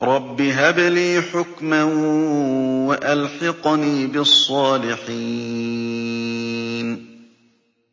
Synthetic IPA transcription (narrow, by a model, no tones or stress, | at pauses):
ɾˤɑbːiɦabliːħʊkma | waʔalħɑqniːbɪsˤːɑːlɪħiː | n